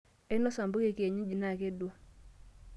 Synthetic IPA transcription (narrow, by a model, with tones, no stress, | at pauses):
e˦nɔ˦sa˨mbu˦ke˦˨ke˨ɲi˦d͡ʒi˨na˦˨ke˦dwo˦˨